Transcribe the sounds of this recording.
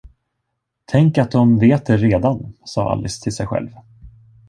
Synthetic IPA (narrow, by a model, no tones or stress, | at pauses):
t̪ʰɛŋkat̪̚d̪ɔmveːt̪̚d̪ɛɾeːd̪ansɑ̰ːʔa̰lʔɪst̪ʰɪlsɛjɧɛ̰lv